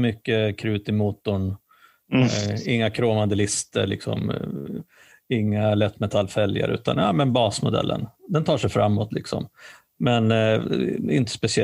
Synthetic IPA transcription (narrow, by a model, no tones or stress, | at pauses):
mʏkːəkʰɾʉːt̪ɪmuːt̪ːʊɳ | ɪŋːakʰɾoːvand̪əlɪst̪ə̰ɾɭɪ̰ksɔ̰m | ɪŋːalɛt̪ːmɛt̪ʰalːfɛlja̰ɾʔʉ̟ːt̪ʰa̰njamɛnbɑːsmʊd̪ɛ̰lːʔə̰nd̪ɛnt̪ʰɑːʂɛjfɾa̰mːɔt̪lɪksɔ̰m | mɛn | ɪ̰nt̪ə̥spɛsɪɛ